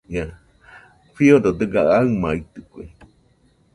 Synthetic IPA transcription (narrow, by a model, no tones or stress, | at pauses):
ɲã | fiod̪od̪ɨɡaaɨmait̪ɨkʷḛ